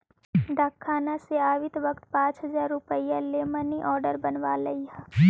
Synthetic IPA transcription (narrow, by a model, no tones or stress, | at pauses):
d̪ʱaːkʰːaːnaseaːʋɪt̪ʋɐk̚t̪pãːt͡ʃɦɐzaːɾːʊpəijaleːməniʔɔːɾɖəɾbɐnʋaːlɐiɦa